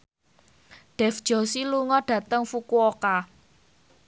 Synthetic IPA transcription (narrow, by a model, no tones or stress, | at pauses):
ɖ̥ɛ̤fd̥ʒ̥ɔsiluŋɔɖ̥ä̤t̪əŋfukuoka